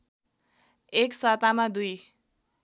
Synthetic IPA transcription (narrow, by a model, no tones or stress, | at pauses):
eksat̪amad̪uj